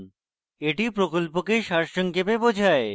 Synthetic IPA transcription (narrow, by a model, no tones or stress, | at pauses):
eʈipɾokolpokeʃaɾʃoŋkepebod͡ʑʱae